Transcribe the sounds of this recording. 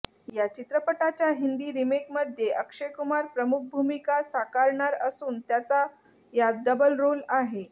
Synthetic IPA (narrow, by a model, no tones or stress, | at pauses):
jat͡ɕit̪ɾəpəʈat͡ɕjaɦind̪iːɾimekməd̪ʱjeʔəkʂekumaɾpɾəmuk̚bʱumikasakaɾɳaɾəsuːnt̪jat͡sa | jad̪ɖəbəlɾolaɦe